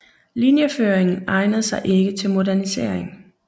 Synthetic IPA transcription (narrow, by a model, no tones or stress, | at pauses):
linjəføːeŋn̩ɑ̈ɪnəð̞̩ˠsɑ̈ɪʔe̝ɡ̥ət͡sʰe̝lmo̝dæɐnise̝ɐ̰eŋ